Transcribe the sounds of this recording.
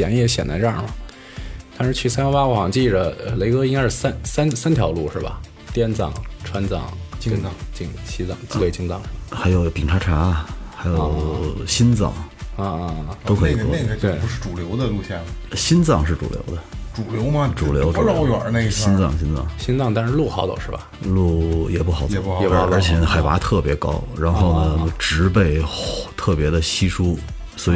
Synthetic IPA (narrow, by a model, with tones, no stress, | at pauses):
jɛ̰˧˥njɛ˥˩ɕjɛ̰˨˩na̰˧˥ɪʈ͡ʂə˥˩mɐ˩ | t̪ʰʂɻ̩˧˥t͡ɕʰy˥˩sa˥ɔ˧˥wa˥wɔ˧˥˩wɑ˨˩ŋt͡ɕi˥˩ʈ͡ʂə˩ə˧le˧˥ɪkɤ˥i˥ŋka˥ʂɻ̩˥˩sa˥nsa˥nsa˥nt̪ʰjɑ˧˥ʊlu˥˧ʂɻ̩˥˩bɐ̰˩ | t̪jɛ˥nt͡sɑ̰˨˩ŋʈ͡ʂʰwa˥nt͡sɑ̰˥˩ŋt͡ɕnt͡sɑ˥˩ŋt͡ɕi˥ŋɕi˥t͡sɑ̰˥˩ŋt͡si˥˧˩we˥˩ɪt͡ɕi˥ŋt͡sɑ̰˥˩ŋʂ̩˥˩bxa˧˥ɪjo˨˩ʊpi˨˩ŋʈ͡ʂʰa˧˥ʈ͡ʂʰa˧˥˧xa˧˥ɪjo˨˧˩ʊɕi˥nt͡sɑ̰˨˩ŋ˧ | t̪o˥ʊkʰɤ˧˥i˨˩t̪ɔ˥˧t̪we˥˩ɪ˧˥ʂɻ̩˥˩ʈ͡ʂu˨˩ljo˧˥ʊd̪ə˧lu˥˧ɕja˥˩nə˨˩ɕi˥nt͡sɑ˥˧ŋʂɻ̩˥˩ʈ͡ʂṵ˨˩ljo̰˧˥ʊd̪ə˧ʈ͡ʂu˨˩ljo˧˥ʊmɐ˧ʈ͡ʂu˨˩ljo˧˥ɛ˨ə˧˥ne˥˧ɕi˥nt͡sɑ̰˥˩ŋɕi˥nt͡sɑ̰˥˩ŋɕi˥nt͡sɑ˥˧ŋt̪a˥˧˥lu˥˩xɑ˨˧˥ʊd̪o̰˨˩ʂɻ̩˥˩bɐ̰˩lu˥˩jɛ̰˨˩pu˥˩xɑ˨˧˥ʊ˨˩pu˥˧˨pə˞˧˥t͡ɕʰjɛ˧˥nə˧˩xa˨˩ɪwa̰˧˥t̪ʰɤ˥˩pjɛ˧˥kɑ̰˥ʊɻa˧˥nxo˥˧˩ʊnə˩ʈ͡ʂɻ̩˧˥p̬e˥˩ɪt̪ʰɤ˥˩pjɛ˧˥d̪ə˧ɕi˥ʂu˥ | swɔ˧˥i˧˩